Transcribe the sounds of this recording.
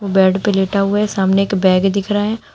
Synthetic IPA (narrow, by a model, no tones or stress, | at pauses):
obɛːɖpeleːʈaɦʊaɦsaːmneeːkbɛːɡd̪ɪkʰɾaɦɛ̃ː